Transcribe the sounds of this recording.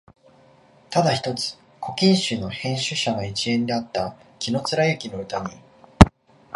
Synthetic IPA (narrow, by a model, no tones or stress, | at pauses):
t̪ad̪açi̥t̪o̞t͡sɨ̥ | kʰo̞kʲĩɰ̃ɕɨːno̞hẽ̞ɰ̃ɕɨɕaɡait͡ɕiẽ̞nd̪e̞at̪ːakʲino̞t͡sɨɾajɯ̟kʲino̞ɯ̟t̪aɲ̟i